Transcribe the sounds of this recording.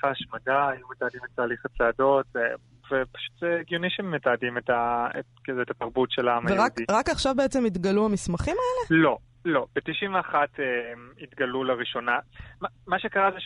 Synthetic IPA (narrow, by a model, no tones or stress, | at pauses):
faʃmadaːjumet̪aːdimetaːliχat͡saːdo̞tze | vepḁʃu̥t̪zeɡioniʃemetaːdimetaekezeːtataʁbutʃelaamaeʁaktiʁakaχʃavbeet͡semit̪ɡaluamismaχimaelelo̞ | lo̞b̥et̪iʃiɱveaχatemit̪ɡalulaʁiʃo̞namamaʃekaʁaze